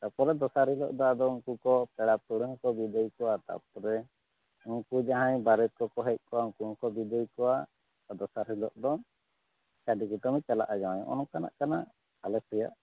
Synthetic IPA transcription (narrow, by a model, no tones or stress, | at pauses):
t̪apɔɾɛd̪ɔsaɾhilɔ̰ʔd̪ɔad̪ɔuŋkukɔpɛɽap̚t̪uɽuŋɔkɔbid̪ejkɔwat̪a̰p̚ɔɾɛ | uŋkud͡ʒaɦãɲbaɾɛt̪̚kɔkɔɦɛc̚ˀkɔwauŋkukɔbid̪əjkɔwa | d̪ɔsaɾhilɔʔd̪ɔ | t͡ʃaɖikuʈɔmit͡ʃala̰ʔad͡ʒawaɲɔ̰ʔɔ̰nɔkana̰ʔkana | alɛsɛja̰ʔ